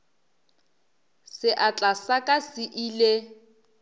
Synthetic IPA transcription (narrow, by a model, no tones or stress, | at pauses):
sɪʔat͡ɬʼasakʼasɪʔile